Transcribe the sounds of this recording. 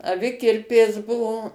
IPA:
ɐˈʋʲɪkʲɪrʲpʲeːs ˈbʊʋoː

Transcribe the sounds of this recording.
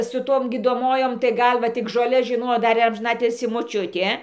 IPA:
sʊ ˈtoːm ɡʲiːdoːˈmoːjoːm tɐɪ ˈɡɐlˠ ʋɐ ˈtʲɪk ʒoːˈlʲɛs ʒʲɪˈnoːjoː ˈdɐr ɪr ɐmʲʒʲɪˈnɑːtʲɪlʲsʲiː moːˈt͡ʃʲʊtʲeː

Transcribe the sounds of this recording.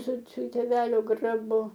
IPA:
sʊ sʊ tʲeːˈʋʲæːlʲoː ɡrɐˈbʊ

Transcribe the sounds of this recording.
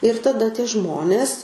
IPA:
ɪr tɐˈdɐ tʲiɛ ˈʒmoːnʲeːs

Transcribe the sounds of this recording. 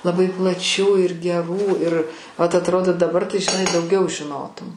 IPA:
lˠɐˈbɐɪ plˠɐˈt͡ʃʲuː ɪr ɡʲɛˈruː ɪr ʋɐt ɐtˈroːdoː dɐˈbɐr tɐɪ ʒʲɪˈnɐɪ dɐʊˈɡʲɛʊ ʒʲɪˈnoːtʊm

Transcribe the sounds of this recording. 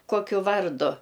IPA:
ˈkoːkʲʊ ˈʋɐrdʊ

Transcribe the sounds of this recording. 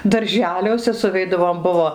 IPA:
dɐrʲˈʒʲæːlʲuɔsʲɛ sʊˈʋʲɛɪdɐʋoːm ˈbʊʋoː

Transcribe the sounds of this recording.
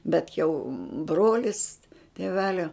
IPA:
ˈbʲɛt jɛʊ ˈbroːlʲɪs tʲeːˈʋʲæːlʲoː

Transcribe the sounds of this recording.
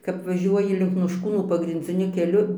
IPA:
kɐp ʋɐˈʒʲuɔjɪ lʲɪŋk noːʃˈkuːnuː pɐɡrʲɪnʲd͡zʲɪˈnʲʊ kʲɛˈlʲʊ

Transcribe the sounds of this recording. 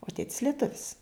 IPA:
oː ˈtʲeːtʲɪs lʲiɛˈtʊʋʲɪs

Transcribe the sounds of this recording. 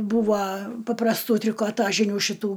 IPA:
ˈbuːʋɐ pɐprɐsˈtuː tʲrʲɪkoːˈtɑːʒʲɪnʲuː ʃʲɪˈtuː

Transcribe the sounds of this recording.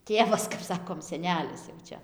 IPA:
ˈtʲeːʋɐs kɐp ˈsɑːkoːm sʲɛˈnʲæːlʲɪs jɛʊ ˈt͡ʃʲɛ

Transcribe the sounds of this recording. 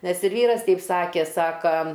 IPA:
nʲɛs ɪr ˈʋʲiːrɐs ˈtʲɛɪp ˈsɑːkʲeː ˈsɑːkɐ

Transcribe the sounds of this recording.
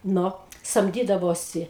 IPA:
ˈnʊ sɐmʲˈdʲiːdɐʋoːsʲɪ

